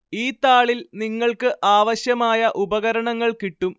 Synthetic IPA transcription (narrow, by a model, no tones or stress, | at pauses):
iːt̪aːɭilniŋːɐɭkɨʔaːʋɐɕjɐmaːjɐʔubɐɣɐɾɐɳɐŋːɐɭkiʈːum